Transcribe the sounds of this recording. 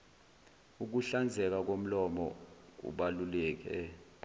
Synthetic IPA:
uk̬uɬand͡zʱɛk̬ak̬om̩lɔmɔ̰k̬ṵɓalulɛːk̬ɛ

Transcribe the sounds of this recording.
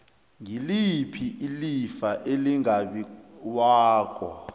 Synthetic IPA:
ŋilipʰiʔilifaʔeliŋaɓiwaːk̬ʼɔ

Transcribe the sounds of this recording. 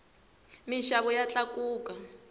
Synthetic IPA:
minʃaβɔjat͡ɬakuːka

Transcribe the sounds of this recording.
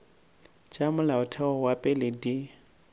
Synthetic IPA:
t͡ʃʼamʊlaʊtʰaɔwapʼɛlɪdi

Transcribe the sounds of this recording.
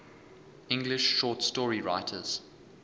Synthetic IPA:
ɪ̃ŋɡlɪʃːɔːˑtstɔːɹiɹa̰ɪtʰə̰z̥

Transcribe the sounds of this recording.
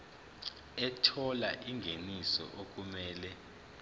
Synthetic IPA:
ɛtʰɔlaʔiŋɡʱenisɔ̰ʔok̬ʼumɛːlɛ

